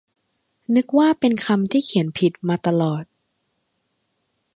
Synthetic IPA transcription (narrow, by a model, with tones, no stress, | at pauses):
nɯ˦˥k̚waː˥˩pe˧nkʰa˧mt̪ʰiː˥˩kʰi˨˩˦ənpʰi˨˩t̪̚maː˧t̪a˧lɔː˨˩t̪̚